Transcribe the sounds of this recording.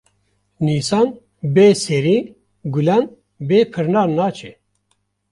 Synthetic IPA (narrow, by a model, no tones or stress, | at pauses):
niːsɑːn | beːseɾiː | ɡulan | beːpʰɨɾnaːnaːt͡ʃʰe